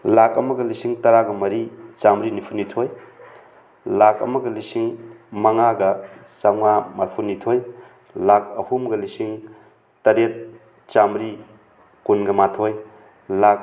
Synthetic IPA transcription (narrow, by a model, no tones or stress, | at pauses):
lakɐmɐɡɐlisiŋtɐɾaɡɐmɐɾit͡ʃamɾinipʰunitʰoj | lakɐ̰mɐɡɐlisiŋmɐŋaɡɐsawŋamaɾpʰunitʰoj | lak̚ɐhʰumɡɐlisiŋ | tɐɾet̚ | t͡ʃamɾi | kunɡɐmatʰoj | lak̚